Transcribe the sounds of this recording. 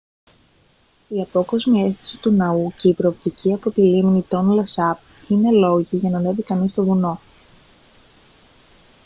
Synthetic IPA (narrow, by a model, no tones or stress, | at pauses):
iɐpo̞ko̞zmie̞sθi̥si̥t̪unɐuce̞ipɾo̞ːpt̪iciɐpot̪iliminit̪o̞nlɐsɐp̚ | ine̞lo̞ʝiʝɐnɐne̞vikɐnist̪o̞vuno̞